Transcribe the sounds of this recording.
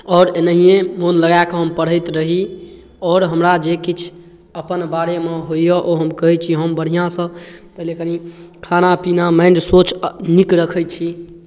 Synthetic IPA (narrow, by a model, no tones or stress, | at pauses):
ɔːɾenəɦijemonləɡajkɔɦəmpəɽ̤əjt̪ɾəɦi | ɔːɾɦəmɾad͡ʒekit͡ʃʰ | əpənbaɾemeɦoijəʔoɦəmkəɦɛt͡ʃʰiɦəmbəɽ̤ijãsə̃t̪əleknikʰanapinamaɪɳɖsot͡ʃnikɾəkʰəjt͡ʃʰi